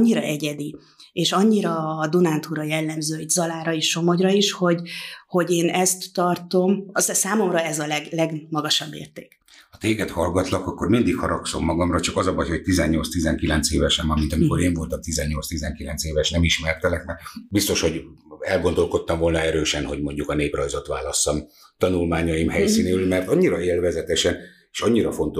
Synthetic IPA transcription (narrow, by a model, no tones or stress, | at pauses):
ɲːiɾɒ̰ʔɛɟɛd̪i | eːʃɒɲːiɾɒːd̪unaːnt̪uɾɒjɛlːɛmzøːzɒlaːɾɒeːʃt͡ʃo̞mo̞ɟrɒiʃho̞ɟho̞ɟeːnɛst̪ːɒrt̪o̞mssaːmo̞mrɒɛzɒlɛɡlɛɡmɒɡɒʃɒbːḛːrt̪eːk | hɒt̪eːɡɛt̪hɒlɡɒt̪lɒkɒkːo̞rmind̪ikhɒɾɒkso̞mːɒɡɒmrɒt͡ʃɒkɒzɒbɒjhoc̚t̪izɛɲːo̞ltst̪izɛŋkilɛnt̪seːvɛʃɛmɒmint̪ɒmiko̞ɾeːɱvo̞lt̪ɒmt̪izɛɲːo̞lst̪izɛŋkilɛnt̪seːvɛʃnɛmiʃmɛrt̪ɛlɛkmɛbist̪o̞ʃho̞ɟ | ɛlɡond̪o̞lko̞t̪ːɒmvo̞lnɒɛɾøːʃɛnho̞ɟmo̞ɲɟukɒneːprɒjzo̞t̪ʋa̰ːlɒst̪ɒm | t̪ɒnulmaːɲɒjimhɛjsiːneːylmɛrt̪ɒɲːiɾɒeːlvɛzɛt̪ɛʃɛn | eːʃɒɲːiɾɒfo̞nt̪o